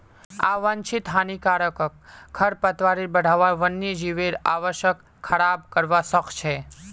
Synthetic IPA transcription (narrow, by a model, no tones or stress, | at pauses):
a̰ʋaɲt͡ʃʰit̪ɦanikaɾəkəkʰːəɾpət̪ʋaɾiɾbəɽʱaʋaʋənːid͡ʒiʋeɾa̰ʋəʃjəkʰːəɾab̚kəɾʋasəkʰt͡ʃʰe